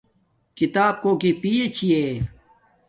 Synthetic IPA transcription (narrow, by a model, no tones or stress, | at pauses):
kit̪aːb̚koːkipiːet͡ɕʰie